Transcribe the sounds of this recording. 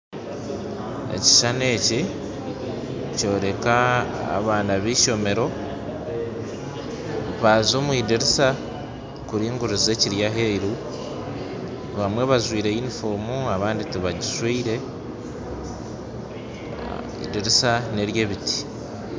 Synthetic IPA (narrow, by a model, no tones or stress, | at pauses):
e̞̰ci̥ʃane̞ːci | co̞ːɾe̞ka̰ːβaːnaβiʃo̞me̞ɾo̞ | βazo̞ːmuwiːdeɾisa | kuɾiːŋɡuɾuze̞ciɾjaɦeiɾu | βamwe̞βazwiːɾe̞inifoːmuaβaːnditiβaɟiswiːɾe̞ | ḭdeɾisane̞ɾje̞ːβiti̥